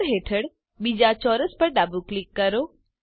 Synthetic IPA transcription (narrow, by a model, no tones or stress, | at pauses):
ɾɦeːʈʰəɽ | biːd͡ʑat͡ʃɔːɾəspɐɾɖaːbuklikːɐɾoː